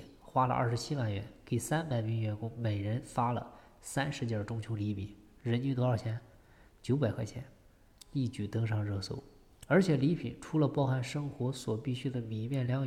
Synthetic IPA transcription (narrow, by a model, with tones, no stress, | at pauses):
xwa˥lə̰˧ʔa̰˞˥˩ʂ̩˧˥t͡ɕʰi˥wa˥˩nɥɛ̰˧˥nke˨˩ɪsa˥npa˨˩ɪmi˧˥ŋɥɛ˧˥nkʊ˥ŋme˨˩ɪɻə˧˥nfa˥lə̰˨ | sa˥nʂɻ̩˧˥t͡ɕjɑ˨˩ʈ͡ʂʊ˥ŋt͡ɕʰjo˧˥ʊli˧˥pʰi˨˩˦n | ɻə˧˥nt͡ɕy˥t̪ɔ˧˥a˞˥˩t͡ɕʰjɛ˧˥n | t͡ɕjo˧˥ʊpa˨˩ɪkʰa˥˩t͡ɕʰjɛ˧˥n | li˥˩t͡ɕy˥˩t̪ɤ˥ŋʂɑ˥˧ŋɻɤ˥˧sṵ˥˩ʊ | ə˞˧˥t͡ɕʰjɛ˨˩li˧˥pʰi˨˩˦nʈ͡ʂʰu˧˥lə˧pɑ˥˧ʊxa˥˩nʂɤ˥ŋxwɔ˧˥swɔ˨˩pi˥˩ɕy˥d̪ə˨mi˨˩mjɛ˥˩nljɑ˧˥ŋ